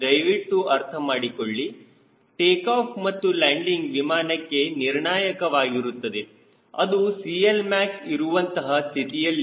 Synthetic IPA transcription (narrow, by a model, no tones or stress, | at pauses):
ɐjʋiʈːuɐɾt̪ʰɐmaːɽikoɭːi | ʈeːkaːpʰmɐt̪ːulaːɳɖiŋɡʋimaːnɐkːe̞niɾɳaːjɐkɐʋaːɡiɾut̪ːɐd̪e̞ | ɐ̰d̪usiːelmaːksiɾuʋɐnt̪ɐɦɐst̪ʰit̪ijɐlː